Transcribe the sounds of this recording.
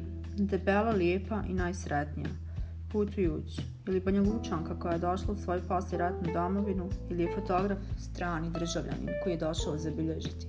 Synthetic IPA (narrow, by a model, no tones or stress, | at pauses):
d̪e̞pelˠaljeːpaʔinaːjsɾet̪nija̰ | put̪ujuːt͡ɕi̥ | ilibaɲalˠuːt͡ʃaŋkako̞jaje̞d̪o̞ʃlˠausʋojupo̞sleɾat̪nud̪o̞moʋinuilije̞fo̞t̪o̞ɡɾafst̪ɾaːnid̪r̩ʒaʋʎʲa̰nḭmkojijed̪o̞ʃaod̪zabiʎeʒit̪i̥